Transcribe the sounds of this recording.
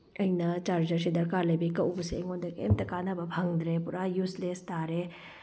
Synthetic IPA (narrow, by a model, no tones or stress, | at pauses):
ɐinat͡ʃaːɾd͡ʒɐɾʃid̪ɐɾkaːɾlebekɐupsḛŋɡõnd̪ekḛmt̪ɐkaːnabɐbʱɐŋd̪ɾepuɾajuslest̪aːɾe